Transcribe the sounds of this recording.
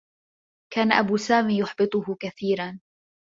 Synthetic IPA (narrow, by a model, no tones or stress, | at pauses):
kaːnaʔabuːsaːmiːjʊħbɨt̪ˤʊhʊkaθiːɾan